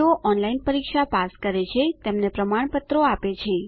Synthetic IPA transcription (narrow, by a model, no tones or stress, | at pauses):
oʔɔnlainpəɾikʃapaskəɾet͡ʃʰet̪emnepɾəmaɳ̃pət̪ɾoapet͡ʃʰe